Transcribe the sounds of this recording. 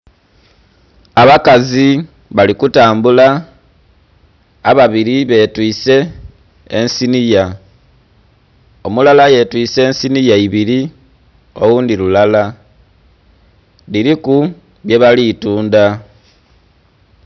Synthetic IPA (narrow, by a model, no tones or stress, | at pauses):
aβakazi | βalikutaːmbula | βaβiɾiβe̞twiːse̞ː | nsinija | o̞mulalaje̞twiːse̞ːnsinijaiβiɾi | o̞wuːndiɾulala | liɾiku | βje̞βaliːtuːnda